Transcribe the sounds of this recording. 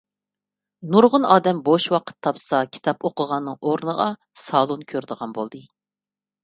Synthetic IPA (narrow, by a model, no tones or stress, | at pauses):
nuɾʁʊnɑːd̪ɛmboʃwɑqʰə̥t̪ʰːɑpsɑkʲʰi̥t̪ʰɑpoqəʁɑnːɨŋoɾnəʁɑ̰ | sɑːlˠonkʲʰøɾd̪əʁɑnbolˠd̪ɨ